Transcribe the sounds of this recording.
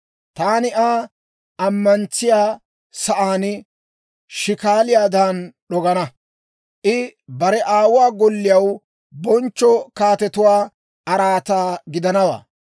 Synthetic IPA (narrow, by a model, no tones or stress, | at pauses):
t̪aːnɪʔaː | ɐmːɐnt͡sɪjaː | sɐʔaːnɪ | ʃɪkaːlɪjaːd̪aːnɗɔɡɐnɐ | ʔɪbɐɾɛʔaːwʊwaːɡɔlːɪjɐw | bɔnt͡ʃːɔkaːt̪ɛt̪ʊwaː | ʔɐɾaːt̪aːɡɪd̪ɐnɐwa̰ː